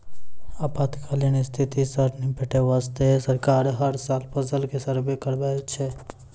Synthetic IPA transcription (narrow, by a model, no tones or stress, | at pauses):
aːpaːt̪kʰaːlinest̪ʰɪt̪isəɾnipeʈeʋaːst̪esəɾkaːɾɦəɾsaːlpəzəlkesəɾbekəɾbat͡ʃʰe